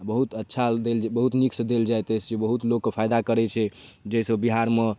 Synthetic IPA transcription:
bəɦut̪ətːʃʰad̪elbəɦut̪niksd̪eld͡ʒajt̪əsd͡ʒebəɦut̪lokːepʰajd̪akəɾɛt͡ʃʰɛd͡ʒejsəbiɦaɾme

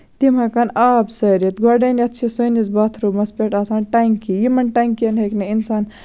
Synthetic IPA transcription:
t̪imɐkɐnaːbsɐjɾet̪ɡaɖɐniɐt̪ːt͡ʃʰisəjnisbaːt̪ʰɾumɐspeʈaːsaːnʈajŋkijimɐnʈajŋkiɐnɦekneinsaːn

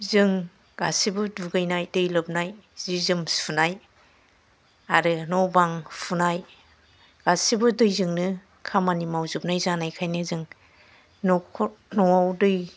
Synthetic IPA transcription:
zɯŋ | ɡa̰sibɯduɡɯjnajdɯjlɯp̚najzizɯmspʰunaj | aɾɯnɔbaŋpʰunaj | ɡ̥asibɯdɯjzɯŋnɯ | kʰamanimawzɯp̚najzanajkʰajnɯzɯŋ | nɔkʰɔnɔawdɯj

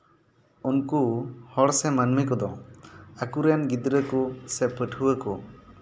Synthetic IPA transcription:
unkuhɔɽsɛmanmikɔd̪ɔakuɾɛjanɡid̪ɾəkusɛpəʈʰuwəkɔ

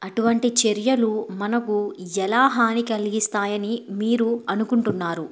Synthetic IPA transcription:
ɐʈuʋɐɳʈit͡ʃeɾjɐlumɐnɐkuɛlaːɦaːnikɐliɡist̪aːjɐnimiːɾuɐnukuɳʈunːaːɾu

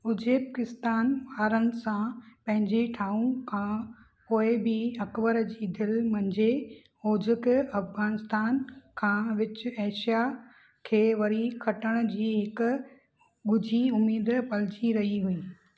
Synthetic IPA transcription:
ʊd͡ʑʱepakɪst̪aːnʋaːɾənɪ̆sãpɐ̃ɦɪ̃ɲd͡ʑeʈʰaːũkʰã | poːɪbɪɐkbəɾd͡ʑiːd̪ɪlmɐ̃ɲd͡ʑe | oːd͡ʑɪkɐfɣaːnɪst̪aːnkʰãːʋɪt͡ɕɪeːʃija | kʰeːʋɐɾikʰɐʈəɽ̃ʊ̆d͡ʑiːɦɪkʊ̆ | ɡʊd͡ʑʱiʊmiːd̪pɐld͡ʑiɾɐɦiɦuiː

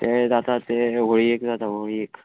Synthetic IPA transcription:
t̪ed̪at̪at̪eɦoɽiekd̪at̪aɦoɽieːk

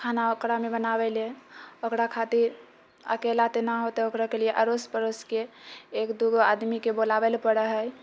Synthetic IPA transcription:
kʰanaokɾamebənabɛleokɾakʰat̪iɾ | ə̰kelat̪enaɦot̪eokɾakelijeʔəɾospəɾoskeːkd̪uɡoad̪mikebolabelpəɽəɦəj

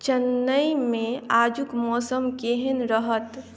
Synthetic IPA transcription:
t͡ʃənːəimẽaːd͡ʒukmɔːsəmkeɦenɾəɦət̪

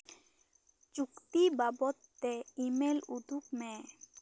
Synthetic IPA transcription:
t͡ɕukt̪ibabot̪ːeimelud̪ʱukmɛ̃

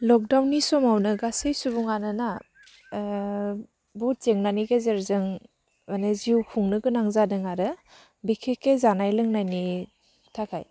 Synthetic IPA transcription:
lɔk̚dawnːisɔmawnɯɡasɯjsubuŋanɯna | bɔt̚t͡ʃeŋnaniɡezɾzɯŋ | aneziwkʰuŋnɯɡɯnaŋzadɯŋaɾɯ | bikʰekːezanajlɯŋnajni | tʰakʰaj

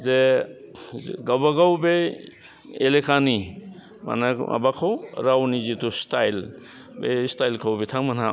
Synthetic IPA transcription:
ze | ɡɐbɐɡɐwbe | elekʰaːni | mɐ̰nɐɐ̰bakʰoɾawnid͡ʒit̪ust̪ail | best̪aːilkʰowbit̪ʰaŋmɐna

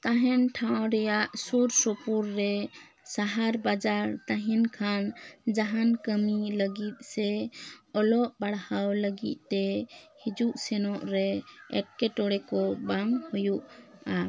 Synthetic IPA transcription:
t̪aɦɛnʈʰawɾɛjaʔsuɾsɔpuɾːɛ | saɦaɾbad͡ʒaɾt̪aɦinkʰand͡ʒaɦankəmiləɡit̪̚ˀsɛɔlɔʔbaɽhawləɡḭt̪̚ˀt̪ːɛhid͡ʒuʔsɛnɔʔɾɛɛʈ̚kɛʈɔɽɛkɔbaŋhɔjuʔa

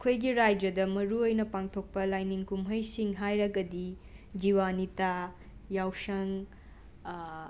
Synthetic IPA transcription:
ɐkʰojɡiɾajd͡ʒɐdɐmɐɾuojnɐpaŋtʰok̚pɐlajniŋkumɦɐjsiŋɦajɾɐɡɐdi | d͡ʒiwanita | jawsɐŋ

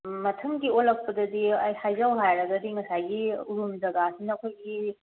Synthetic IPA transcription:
mɐtʰɐmɡiolɐk̚pɐdɐdiɐjhajzawɦajɾɐɡɐdiŋɐsajɡiuɾumd͡ʒɐɡasinɐːkʰojɡi

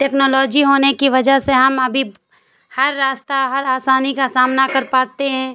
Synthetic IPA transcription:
ʈɛːknɔːlɔːd͡ʒiɦoːnekiʋɐd͡ʒəɦseɦɐmɐbʱi | hɐɾːaːst̪aɦɐɾaːsaːnikasaːmnakɐɾpaːt̪eɦɛ̃ː

